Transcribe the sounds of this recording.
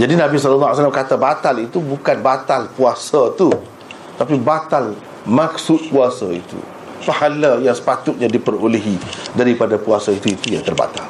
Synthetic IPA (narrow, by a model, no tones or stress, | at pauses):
d͡ʒadinãbis̬ɔllːajsalamkat̪abat̪alit̪ubukanbat̪alpuasat̪u | t̪apibat̪al | mãksʊt̪̚puasaḭt̪ṵ | pahalajaŋsə̥pat̪ʊt̪̚ɲãdipəroleɦidaɾipadapuasait̪uit̪ujat̪ərba̰t̪al